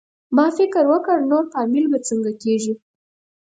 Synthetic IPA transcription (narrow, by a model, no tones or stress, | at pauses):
mɑfɪkəɾwəkəɾnoɾfɑmilbat͡səŋɡakeʒi